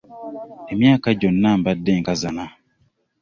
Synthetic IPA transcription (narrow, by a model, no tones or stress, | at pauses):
emjaːkaɟonːambadːeŋkazana